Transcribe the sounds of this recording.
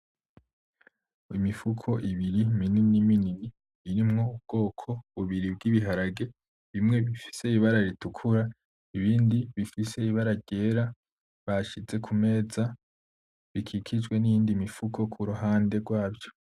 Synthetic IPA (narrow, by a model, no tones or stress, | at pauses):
imifukʰo̞ʔiβiɾimininimininiː | ɾimŋoub̚ɡ̥o̞ːkʰo̞βuβiɾib̚ɡiβiɦaɾaɡe̞ | βimŋe̞βifi̥se̞iβaɾaɾitukʰuɾa | iβiːndiβifise̞iβaɾaɟ̥e̞ːɾa | βaʃize̞kʰume̞ːza | βikʰikʰid͡ʒɡwe̞nijiːndimifukʰo̞kʰuɾuɦaːnde̞ɡwaːbjo